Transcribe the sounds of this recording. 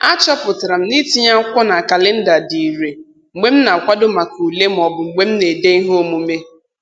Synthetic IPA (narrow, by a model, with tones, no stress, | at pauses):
a˦t͡ʃɔ˦pʊ˨tɾa˨m̩˦ni˦ti˦ɲa˦kʷɔ˦na˨ka˨le˦n̩˦da˨di˨ɾe˨ | ŋ͡m̩˨ɡ͡be˦m̩˦na˨kʷa˦dʊ˦ma˨ku˨le˦m˨ɔ˨bʊ˨ŋ͡m̩˨ɡ͡be˦m̩˦ne˨de˦i˦ɦo˦mu˦me˦